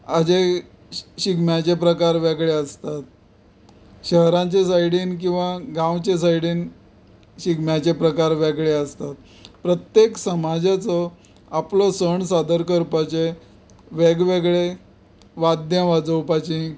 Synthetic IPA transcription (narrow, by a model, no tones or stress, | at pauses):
ad͡ʑe | ɕiɡmjat͡ɕepɾəkaɾʋeɡɭeəst̪at̪̚ | ɕəɦɾãt͡ɕesajɽiːnk̬ĩw̃ʋaɡãwt͡ɕesaiɽiːn | ɕiɡmjat͡ɕepɾəkaɾʋeɡɭeəst̪at̪̚ | pɾət̪jeksəmad͡ʑat͡sɔ | aplɔsəɳsad̪əɾkəɾpat͡ɕe | ʋeɡʋeɡɭe | ʋad̪jãʋad͡zəwpat͡ɕĩ